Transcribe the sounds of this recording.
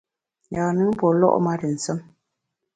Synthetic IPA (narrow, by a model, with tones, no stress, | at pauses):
jaː˨nɨ˦pɔ˨lɔ̰˦ʔma˦tə˨n̩˨sə˦m